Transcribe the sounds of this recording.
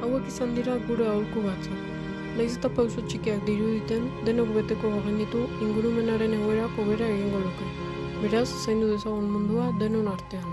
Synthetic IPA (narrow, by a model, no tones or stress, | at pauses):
awekisand̪iɾaɡuɾeawɾkuβat͡sʰa | najset̪apawsot͡ʃʰikiak̚d̪iɾud̪it̪end̪enokbet̪ekoɦaɣinit̪uiŋɡuɾumenaɾeneɣoeɾakoβeɾaeɽiŋɡoluke | beɾasːajnd̪ud̪esaunmund̪uad̪enonaɾt̪ean